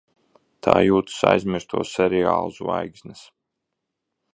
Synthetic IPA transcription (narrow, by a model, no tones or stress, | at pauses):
t̪ʰaːjuːt̪u̥sa̰jzmʲiɾst̪ʰuɔːssɛɾɛa̰ːlˠusva̰jɡzʲnɨs